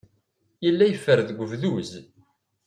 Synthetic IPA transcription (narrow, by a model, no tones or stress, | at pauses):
ilːæjəfːəɾðɡʷəvðuz